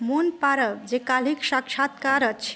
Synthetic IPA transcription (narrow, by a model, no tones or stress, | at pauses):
monpaɾəʋd͡ʒekaliksakt͡ʃʰat̪kaɾət͡ʃʰ